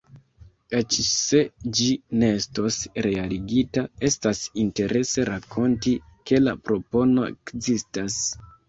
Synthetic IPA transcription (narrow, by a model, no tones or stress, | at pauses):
et͡ʃse̞d͡ʒine̞esto̞sɾe̞aliɡitae̞stasinte̞ɾʔe̞se̞ɾakʰo̞ntike̞la̰pɾo̞po̞no̞e̞̰kzistas